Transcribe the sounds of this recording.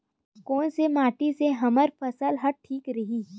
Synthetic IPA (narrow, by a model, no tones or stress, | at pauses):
kɔːnsemaːʈiseɦɐməɾpʰɐsəlɦɐɾ̚ʈʰiːkɾɐɦiː